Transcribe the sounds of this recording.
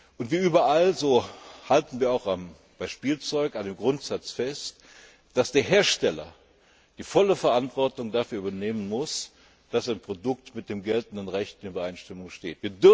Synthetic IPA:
ʔʊntv̥iɐʔyːbɐʔalzoːhaltn̩viːɐaʊxam | b̥aɪʃpiːlt͡sɔʏkandeːmɡʁʊntz̥at͡sfɛst | d̥asd̥eːɐɦeːɐʃtɛlɐ̰ | d̥iːfɔləfɛɐʔantv̥ɔɐtʊŋdafyːɐybɐneːmənmʊs | d̥asaɪnpʁ̥odʊk̚tmɪt̚d̥eːmɡɛltn̩dənʁɛçtɪnybɐʔaɪnʃtɪmʊŋʃteːtviːɐdʏ

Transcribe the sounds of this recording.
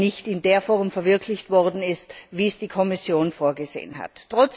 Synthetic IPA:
nɪçtɪndeːɐfɔʁmfɛɐvɪɐkʰlɪçtv̥ɔʁdn̩ɪstviːsd̥iːkʰɔmɪsjoːnfoːɐɡəzḛːənɦa̰tːʁ̥ɔt͡s

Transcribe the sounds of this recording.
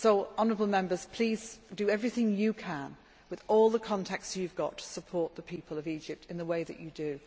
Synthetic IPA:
soʊɑnə˞əbl̩ˠmɛ̃mbəz̥pʰl̥iz̥dɨɛvɹiθɪ̃ŋjɨkʰə̃n | wɨðɔlˠðəkʰɑ̃ntʰæk̚tsjʉvɡɑ̰tʰə̥səpʰɔɹt̪̚ðəpʰiˑpʰəlˠʌvid͡ʒɪp̚tʰɨ̃nðəweɪðɨ̰t͡ʃɨdɨ

